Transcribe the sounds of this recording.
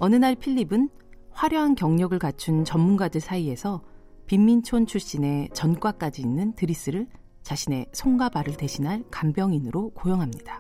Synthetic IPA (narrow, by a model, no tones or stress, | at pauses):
ʌnɯnaɭpʰiʎːibɯn | ɸwaɾjʌɦankjʌŋɲʌɡɯɭkat͡ɕʰunt͡ɕʌmːunɡadɯɭsʰaie̞sʰʌ | pimːint͡ɕʰont͡ɕʰuɕ͈ine̞t͡ɕʌnk͈wak͈ad͡ʑiːnːɯntɯɾis͈ɯɾɯɭ | t͡ɕaɕʰine̞sʰoŋɡabaɾɯɭte̞ɕʰinɦaɭkambjʌŋinɯɾokojʌŋɦamɲidḁ